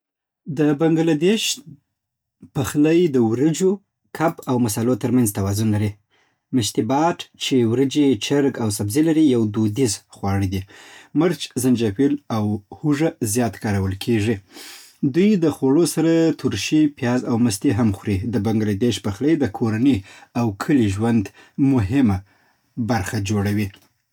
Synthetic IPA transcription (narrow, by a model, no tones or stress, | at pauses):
d̪əbaŋɡalad̪eʃ | pəxləjd̪əwɾəd͡ʒo | kʰapawmasɑlot̪əɾmanzt̪awɑzʊnlaɾi | məʃt̪ibɑʈt͡ʃewɾəd͡ʒet͡ʃəɾɡawsabzilaɾijawd̪od̪izxwɑɽid̪iməɾt͡ʃzand͡ʒafilawhuʐazjɑt̪kɑɾawəlkʰeʐi | d̪ujd̪əxoɽosaɾat̪ʰuɾʃipjɑzawməst̪eɦamxwɾid̪əbaŋɡlad̪eʃpəxləjd̪əkʰoɾaniawkʰəliʒwand̪ | mʊɦɪma | baɾxad͡ʒoɽawi